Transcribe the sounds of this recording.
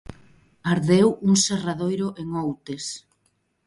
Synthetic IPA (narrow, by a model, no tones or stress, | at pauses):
aɾðewuŋseraðojɾʊʔeŋowt̪es